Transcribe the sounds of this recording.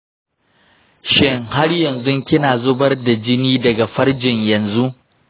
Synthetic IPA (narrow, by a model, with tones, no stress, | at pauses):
ʃɪ˦ŋha˦rjɐ˨nzʊ˦ŋkʲɪ˦naː˨zʊ˦bɐ˦rda˨d͡ʒɪ˦niː˦dɐ˨ɡa˨ɸɐ˦rd͡ʒɪ˨ɲjɐ˨nzu˦ʔ